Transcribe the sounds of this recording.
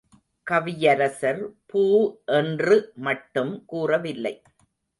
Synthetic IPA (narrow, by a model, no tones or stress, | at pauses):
kɐʋɪjɐɾɐsɐɾpuːʔɛndrɯmɐʈːɯmkuːrɐʋɪlːɐɪ